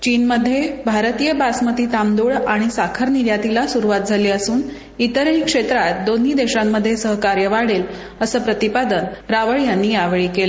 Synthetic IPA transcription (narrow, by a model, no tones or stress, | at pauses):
t͡ɕiːnməd̪ʱːjebʱaɾt̪ijəbasmət̪iːt̪amd̪oɭaɽ̃isakʰəɾniɾjat̪ilasuɾuʋat̪̚d͡zʱaliːəsuːn | it̪əɾɭikʂet̪ɾat̪̚d̪on̤id̪eɕamːəd̪ʱːjesəɦəkaɾjəʋaɽel | əsəːpɾət̪ipad̪ənɾaʋəɭjanːiːaʋeɭiːkelə